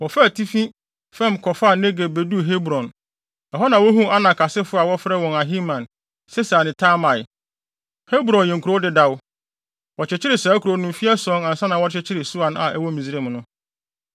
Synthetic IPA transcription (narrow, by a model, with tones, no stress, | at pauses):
wɔ˨fɛ˦˨tʰi˦fĩ˦ | fɛ̃˦mkʰɔ˨fa˦˨ne˦ɡe˨be˨du˦˨ɦe˦bɾɔ̃˨n | ɛ˨ɦɔ˦nã˨wɔ˦ɦũ˦a˦nã˨kʰa˨sɪ˦fʊ˦a˨wɔ˦fɾɛ˦wɔ̃˨na˨ɦĩ˦mã˨n | sɛ˦snɪ̃˨tʰa˦mã˨j | he˦bɾɔ̃˨njɛ̃˨ŋkʰu˨ɾo˦dɪ˦da˦w | wɔ˨t͡ɕʰɪ˨t͡ɕʰɪ˦ɾɪ˨sɛ˨æ˦kʰu˨ɾo˨nʊ̃˨m˨fi˦a˦sɔ̃˦nã˨n̩˨sã˦nã˨wɔ˦t͡ɕʰɪ˦t͡ɕʰɪ˦ɾɪ˨su˦a˨na˨æ˦wɔ˦mĩ˨zi˦ɾe˦m˨nʊ̃˦